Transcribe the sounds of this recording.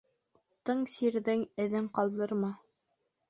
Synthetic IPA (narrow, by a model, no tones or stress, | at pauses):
t̪ɤɴsiɾðɘŋɘ̆ðɘŋqɑlˠd̪ɤ̆ɾmɑ